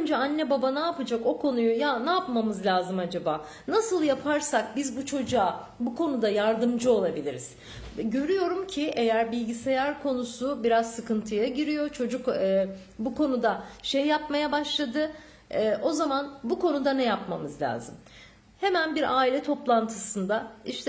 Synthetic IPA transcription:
ønd͡ʒɛanːɛbabanaːpɯd͡ʒako̞kʰo̞nujujanaːpmamɯzlʲaːzɯmad͡ʒabaː | nasɯlˠjapʰaɾsak̚bizbut͡ʃʰo̞d͡ʒua | bukʰo̞nud̪ajaɾd̪ɯmd͡ʒɯo̞lˠabilʲiɾiz̥ | ɟø̞ɾyjo̞ɾumcʰiʔe̞jæɾbilʲɟise̞jæɾkʰo̞nusubiɾazsɯkɯnt̪ʰɯjaɟiɾijo̞t͡ʃʰo̞d͡ʒukː | bukʰo̞nud̪aʃejːapmajabaʃlˠad̪ɯ | ɛːʔo̞zamanbuko̞nud̪anɛjapmamɯzlʲa̰ːzɯm | he̞mænbiɾaːilʲɛt̪ʰo̞plˠant̪ʰɯsɯnd̪aiʃt̪ʰɛ

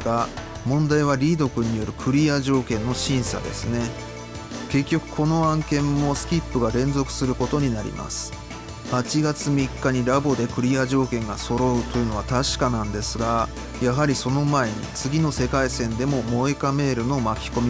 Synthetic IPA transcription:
ɡa | mõ̞nd̪aiβaɾʲiːd̪o̞kɯ̟ɲ̟ːijo̞ɾɯ̟kʰɯ̟ɾʲiaʑo̞ːkẽ̞nːo̞ɕĩɰ̃sa̰d̪e̞̰sɨne̞ | ke̞kʲːo̞kɯ̟̥kʰo̞no̞ãŋkẽ̞mːo̞sɨ̥kʲipːɯ̟ɡaɾẽ̞nzo̞kɯ̟̥sɨɾɯ̟ko̞t̪o̞ɲ̟inaɾʲḭma̰sɨ̥ | hat͡ɕiɡat͡sɨmʲikːaɲ̟iɾabo̞d̪e̞kɯ̟ɾʲiaʑo̞ːkẽ̞ŋɡaso̞ɾo̞ɯ̟t̪o̞jɯ̟no̞βat̪aɕi̥kanãnd̪e̞sɨɡa | jaɦaɾʲiso̞no̞mae̞ɲ̟ḭt͡sɨɡʲino̞se̞kaisẽ̞nd̪e̞mo̞mo̞ekame̞ːɾɯ̟no̞makʲi̥ko̞mʲi

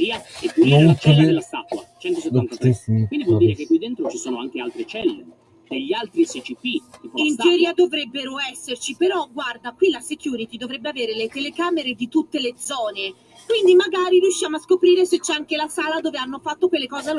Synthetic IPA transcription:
iaɛkːiɛutt͡ʃileelːast̪at̪wa̰t͡ʃɛnt̪oseant̪askind̪ivwɔliɾekekkwid̪ːent̪ɾot͡ʃisoːnoaŋk̟ealt̪ɾet͡ʃɛlːḛ | d̪eʎːialt̪ɾisit͡ʃipiipinɛɾiad̪ovɾɛbːeɾoɛsːert͡ʃipeɾɔɡward̪akwilasek̟juːɾit̪id̪ovɾɛbːeaveːɾelet̪elekaːmeɾed̪it̪ut̪ːeled̪zɔːne | kwind̪imaɡaːɾiɾjuʃːjaːmoaskopɾiːɾeset͡ʃːɛaŋkelasaːlad̪oːveanːofat̪ːokwelːekɔːze

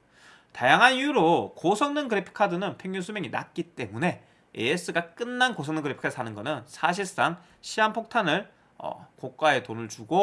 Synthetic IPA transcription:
tajaŋɦanjuɾokosʰʌŋnɯnkɯɾepʰi̥kʰadɯnɯnpʰeŋɲunsʰumjeŋina̰k͈it͈e̞mune̞ | ees͈ɯɡak͈ɯnːankosʰʌŋnɯnŋɡɯɾepʰi̥kʰasʰanɯnɡʌnɯnsʰaɕ̬ʰiɭs͈aŋ | ɕʰiɦanpʰok̚tʰanɯɭ | ʌ̰kok̚k͈wae̞tonɯɭt͡ɕuɡo

